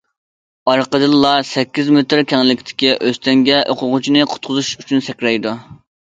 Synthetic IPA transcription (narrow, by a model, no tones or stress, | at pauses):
ɑɾqəd̪ɨlːɑsɛkʲːizmet̪ɾkʲʰɛŋlːɪkʲt̪ʰɪ̥kʲiʔøst̪ʰɛŋɡʲɛʔoqʰʊʁʊt͡ʃʰinɨqʰʊ̥t̪̚qʰʊzuʃyt͡ʃʰynsɛkʲɾɛjd̪u